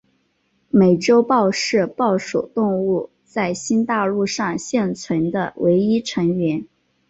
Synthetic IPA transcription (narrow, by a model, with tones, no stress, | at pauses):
me˨˩ɪʈ͡ʂo˥ʊpɑ˥˧ʊʂɻ̩˥˧pɑ˥˩ʊʂu˨˩ʊt̪ʊ˥˧ŋu˥˩ | t͡sa˥˩ɪɕi˥nt̪a˥˧lu˥˧ʂɑ˥˧ŋɕjɛ˥˩nt͡sʰwə˧˥nd̪ə˧wʔe˧˥ɪi˥ʈ͡ʂʰɤ˧˥ŋɥɛ˧˥n